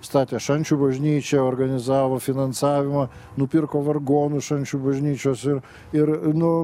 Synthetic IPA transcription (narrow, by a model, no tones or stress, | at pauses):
st̪ɑːt̪ʲeːʃɐnʲt͡ʃʲuːbɐʒʲnʲiːt͡ʃʲɛoːrɡɐnʲɪzɑːʋoːfʲɪnɐnsɑːʋʲɪmɑ | nʊpʲɪrkoːʋɐrɡoːnʊʃɐnʲt͡ʃʲuːbɐʒʲnʲiːt͡ʃʲoːsɪr | ɪɾnʊ